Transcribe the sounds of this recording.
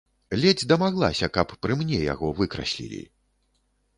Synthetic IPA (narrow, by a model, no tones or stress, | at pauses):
lʲɛd͡zʲd̪ɐmaɣlˠa̰sʲɐkɐpːɾɨmnʲɛja̰ɣɔvɨkɾɐ̰sʲlʲḭlʲḭ